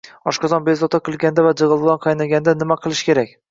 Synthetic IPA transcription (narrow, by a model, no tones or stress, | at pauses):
ɒʃqɑd͡ʒɒnbezɒt̪ʰaqʰɨlˠɡʲand̪avad͡ʒɨʁɨlˠlˠanqʰɑjnaɡʲand̪anɪmaqʰɨlˠɪʃkʲe̞ɾakʲ